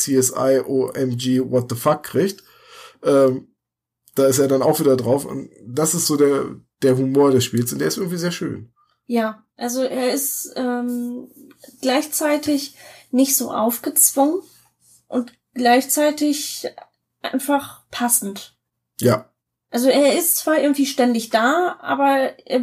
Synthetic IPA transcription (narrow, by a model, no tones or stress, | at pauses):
t͡seːɛsʔa̰ɪʔoːʔɛmd͡ʒiːvɔt̚ðəfakʰːʁ̥iːçt | ʔɛːm | d̥aːɪsteːɐdanaʊxv̥iːdɐdʁaʊfʊ̰ntd̥asɪstz̥oːdeːɐ | d̥eːɐɦumoːɐɾɛsʃpiːlsʊntd̥eːɐɪstɪɐɡŋ̩tv̥iːzeːɐʃø̰ːn | jaː | ʔalzoʔeːɐɪstʔɛːm | ɡ̥laɪçt͡saɪtʰɪçnɪçtz̥oːʔa̰ʊfɡ̥ət͡sv̥ʊŋən | ʔʊnt | ɡ̥laɪçt͡saɪtɪç | ʔaɪnfaχpʰasn̩t | jaː | ʔalzoeːɐɪstt͡sv̥aːʔɪɐɡŋ̩tv̥iːʃtɛndɪçd̥aːʔa̰ːbɐḛː